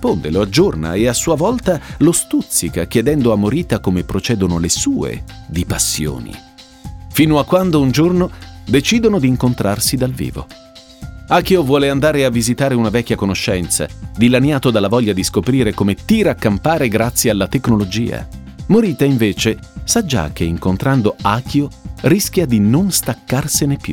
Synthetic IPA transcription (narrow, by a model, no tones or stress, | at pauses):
spond̪eload͡ʒːorna̰easːuːavɔlt̪alost̪ut̪sːikak̟jed̪ɛnd̪oamːoɾiːt̪akomepːɾot͡ʃɛːd̪onolesuːḛd̪ipasːjo̰ːnḭ | fiːnoakːwand̪ound͡ʒornod̪et͡ʃiːd̪onod̪iːŋkont̪ɾʔarsid̪alvḭːvo̰ | aːkjovwɔːleand̪aːɾeavːizit̪aːɾeunavɛkʲːjakonoʃːɛnt̪sa̰d̪ilanjaːt̪od̪alːavɔʎːad̪iskopɾiːɾekomet̪iːɾaːkːampaːɾeɡɾat̪sːjealːat̪eknolod͡ʒḭːa̰ | moɾiːt̪aiɱveːt͡ʃesad͡ʒːa̰kːeiŋkont̪ɾand̪oaːkʰjoriskjad̪inonst̪akːarsenepːjṵ